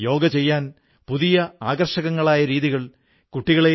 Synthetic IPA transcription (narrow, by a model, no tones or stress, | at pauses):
jo̞ːɡɐt͡ɕe̞jːaːn | puðijɐaːɡɐrʂɐɣɐŋːɐɭaːjɐɾiːðiɣɐɭ | kuʈːiɣɐɭe